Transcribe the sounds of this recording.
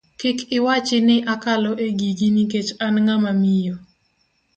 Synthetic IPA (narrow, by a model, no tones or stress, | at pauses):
kɪkɪwat͡ʃɪnɪʔakalɔʔeɡiɡiniket͡ʃanŋamamijo